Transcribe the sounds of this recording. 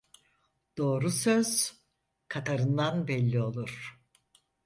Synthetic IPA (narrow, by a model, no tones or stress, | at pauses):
d̪̥o̞ːɾusøz̥ | kʰat̪ʰaɾɯnd̪anbɛlʲːio̞lˠuɾ̥